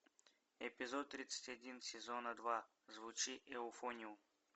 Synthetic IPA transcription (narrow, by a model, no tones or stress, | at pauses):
ɛpʲɪzot̪ːɾʲit̪sə̥tʲɐdʲinsʲɪzonəd̪va | zvʊt͡ʃiʔewʊfonʲiʊ